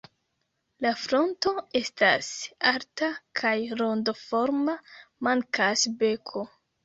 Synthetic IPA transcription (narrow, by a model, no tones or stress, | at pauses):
lafɾo̞nto̞e̞sta̰saɾtakʰajɾo̞ndofo̞ɾmamaŋkʰasbe̞kʰo̞